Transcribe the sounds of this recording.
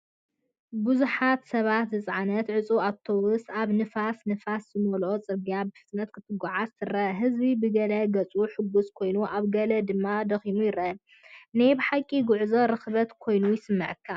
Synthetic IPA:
buzuħat̪sɐβat̪zɨt͡sʼʕanɐt̪ʕɨt͡sʼuat̪ʰːowusaβnɨfasnɨfaszɨmolo̞t͡sʼɨɡijabɨfɨt͡s̪ʼnɐt̪̚kʰɨt̪ʰɨɡɔʕast̪ʰɨrɐɦɨzbibɨɡɐlɐɡɐt͡sʼuħɨɡːuskʰo̞jnuʔaβɡɐlɐd̪ɨmːad̪ɐximujɪɾɐʔɐ | najbɨħakʼːiɡʊʕzoɾɨxβɐt̪kʰo̞jnujɪsɨmːɨʕɨkʰːa

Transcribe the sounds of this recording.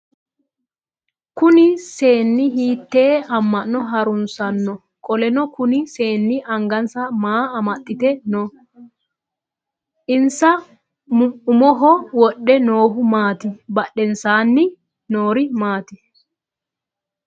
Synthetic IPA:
kʊnɪse̞ːnːɪɦiːt̪ːeːɐmːɐnːɔɦɐɾʊnsɐnːɔ | kʼɔlɛnɔkʊnɪse̞ːnːɪʔɐŋɡɐnsɐmaːmɐt̪ʼːɪt̪ɛnɔ | ʔɪnsɐ | mʊʊmɔɦɔwɔɗːɛnoːhʊmaːt̪ɪbɐɗːɛnsaːnːɪ | noːɾɪmaːt̪ɪ

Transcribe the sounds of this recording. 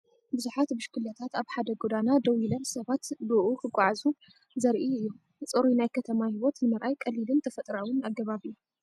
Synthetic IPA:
bɨzuħat̪bɨʃkɨlat̪ʰat̪aβħad̪ɐɡod̪anad̪ɐwilɐmsɐβat̪bɨʔukʰɨɡʷʼaʕazu | zɐɾʔiɨjːu | t͡sʼɨɾinajkʰɐt̪ʰɐmahiwot̪nɨmɐɾʔajkʼɐlːilɨnt̪ʰɐfɐt̪ʼɾawɨnaɡːɐβaβɨjːu

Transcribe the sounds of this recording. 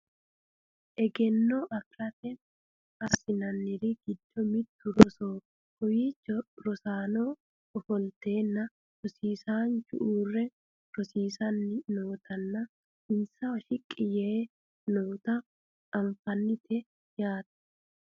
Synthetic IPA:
ʔɛɡɛnːoʔɐklɐtɛ | ɐsɪnɐnːɪɾɪɡ̥ɪd̪ːɔmɪd̪ːʊɾɔsoː | hɔjit͡ʃːɔɾɔsaːnoː | ɔfɔlt̪eːnːɐ | ɾɔsiːsaːnt͡ʃʊ̰ʔuːrːɛ | ɾɔsiːsɐnːɪnoːt̪ʰɐnːɐ | ɪnsɐwɐʃɪkʼːɪjeː | noːt̪ɐ | ɐɱfɐnːɪt̪ʰɛ | jaːt̪ɐ̥

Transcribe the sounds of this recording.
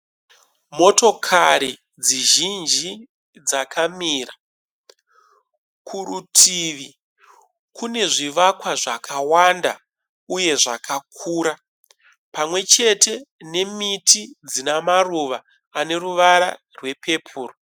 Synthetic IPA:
mo̞to̞kʰaɾi | d͡ziʒind͡ʒi | d͡zakʰamiːra | kʰuɾutʰiʋi | kune̞ʐiʋakwaʐakʰawanda̰ | uje̞ʐakʰakʰuːɾa | pamwe̞t͡ʃe̞te̞ne̞mitid͡zinamaruʋaː | ne̞ruʋaɾa̰ | rwe̞pʰe̞pʰuːro

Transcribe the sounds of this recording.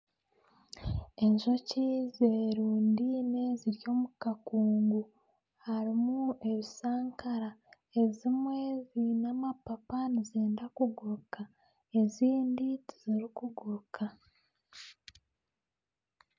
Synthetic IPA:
e̞ɲʒo̞cizeːɾuːndine̞ziɾjo̞ːmukakuːŋɡu | haɾimue̞βisaːŋkʰaɾa | e̞zimweːzinamapapanizeːndakuɡuɾka | e̞ziːnditiziɾikuɡuɾkʰa

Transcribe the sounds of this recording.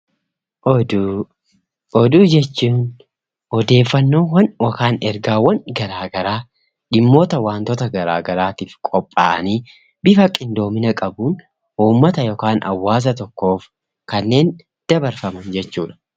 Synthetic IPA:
ɔd̪ | ɔd̪uːd͡ʒɛt͡ʃːuːn | hɔd̪e̞ːfːɐnːo̞ːwɐnwɔkaːnɛɾɡaːwɐnɡɐɾaːɡɐɾaː | ᶑɪmːo̞ːt̪ɐwaːnt̪ɔt̪ɐɡɐɾa̰ːɡɐɾaːt̪iːfkʼɔpʼːa̰ːʔɐniː | bɪfɐkʼɪnd̪o̞ːmɪnɐkʼɐbuːn | uːmːɐt̪ɐjɔkaːnɐ̰wːaːs̬ɐt̪ɔkːo̞ːf | kɐnːe̞ːn | d̪̥ɐbɐɾfɐmɐnd͡ʒɛt͡ʃːuːᶑɐ̥

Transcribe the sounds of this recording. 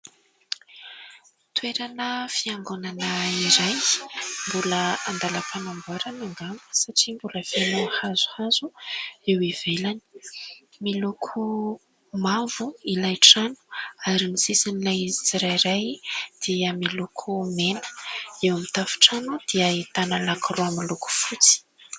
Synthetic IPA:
t̪weɾanəfiaŋɡonanəiɾajmbuləand̪aləpʰanambuaɾanaŋɡaŋə̥saʈ͡ʂimbuləfanohazu̥haz̥uewev̥elani̥ | milukʰu | mavuilajʈ͡ʂanu̥aɾinisisanilajizit͡siɾajɾajd̪̥iəmilukʰumenə̥ewamit̪afu̥ʈ͡ʂanud̪̥iəit̪analakruamiluku̥fut͡si̥

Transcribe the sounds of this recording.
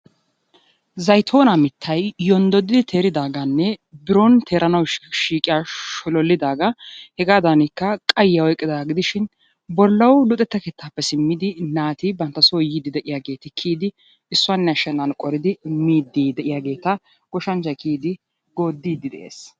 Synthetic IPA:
zɐjt̪ʰo̞ːnamɪt̪ʰːɐjjɔnd̪ɔd̪ːɪd̪ɪt̪ʰeːɾɪd̪aːɡɐnːɛbɪɾɔnt̪ʰeːɾɐnɐwʃiːkʼɪjaʃɔlɔlːɪd̪aːɡɐhɛɡaːd̪ɐnɪkːɐkʼɐjːɐɔjkʼːɪd̪aːɡɪd̪ɪʃɪn | bɔlːɐwlʊt̪ʼɛt̪ːɐkeːt̪ʰːapːɛsɪmːɪd̪ɪnaːt̪ibɐnt̪ːɐsoːjiːd̪ɪd̪ɛʔɪjaːɡe̞ːt̪ɪkʰiːd̪ɪ | ɪsːʊɐnːɛɐʃɛnɐnkʼɔɾɪd̪ɪmiːd̪ːiːd̪ɛʔɪjaːɡe̞ːt̪ɐ | ɡ̥ɔʃɐnt͡ʃːɐjkʰiːd̪ɪ | ɡo̞ːd̪ːiːd̪ːɪd̪ɛ̰ʔḛːs

